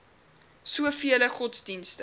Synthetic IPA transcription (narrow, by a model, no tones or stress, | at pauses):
suəfiələχɔtsdinstə